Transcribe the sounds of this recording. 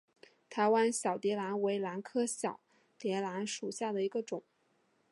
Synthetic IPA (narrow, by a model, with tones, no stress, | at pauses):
t̪ʰa˧˥ɪwa˥nɕjɑ˨˩ʊt̪jɛ˧˥la˧˥nwe˧˥ɪla˧˥nkʰɤ˥ɕjɑ˨˩˦ʊ | t̪jɛ˧˥la˧˥nʂu˨˩ɕja˥˩d̪ə˩i˧˥ɡə˧ʈ͡ʂʊ˨˩˦ŋ